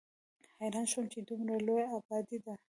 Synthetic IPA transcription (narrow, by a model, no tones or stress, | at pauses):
hajɾɑnʃomt͡ʃed̪umɾalojaabɑd̪id̪a